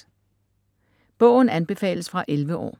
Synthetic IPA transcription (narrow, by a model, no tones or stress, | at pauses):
b̥ɔʊn̩ænb̥e̝fɛ̰ːləsfʁɑ̈ʔelʋəʔɒ̰ː